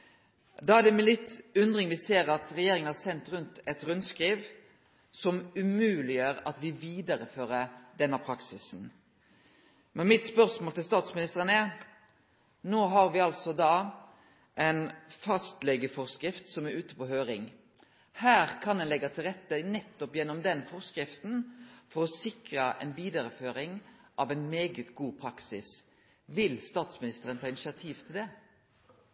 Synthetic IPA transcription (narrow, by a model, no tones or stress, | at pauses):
d̪ɑːæd̪ɛmɛlɪt̪ːʉnd̪ʁɪŋʋɪseːɾɑt̪ɾɛjeːɾɪŋənhɑɾsɛnt̪ɾʉnt̪ɛt̪ɾʉnskɾiːʋ | sɔmʉmʉːlɪjøːɾɑt̪ʋɪʋiːd̪əɾəføːɾəd̪ɛnːəpʰɾɑksɪsn | mɛnmɪt̪spœʁsmoːlt̪ɪlst̪ɑːt̪smɪnɪst̪əʁənɛ | noːɦɑɾʋɪɑlsɔd̪ɑː | ʔɛɪnfɑst̪lɛɡəfɔʁskɾɪft̪sɔmæʉːt̪ə̥pɔːhøːɾɪŋ | hæːʁkʰɑnd̪ɛnlɛɡːɑt̪ʰɪlʁɛt̪ːənɛt̪ːɔpjɛnːɔmd̪ɛnfɔʁskɾɪft̪n̩fɔʁɔsɪkɾɑʔɛ̰ɪnʋiːd̪ɑɾəføːɾɪŋʔɑʋæɪnmeːɡət̪ɡuːpʰɾɑksɪs | ʋɪlst̪ɑːt̪smɪnɪst̪əɾənt̪ʰɑːɪnɪsɪɑt̪ʰiːʋt̪ʰɪld̪ɛ